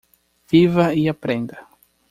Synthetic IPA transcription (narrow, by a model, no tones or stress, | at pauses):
v̥ivɐiapɾẽnd̪ɐ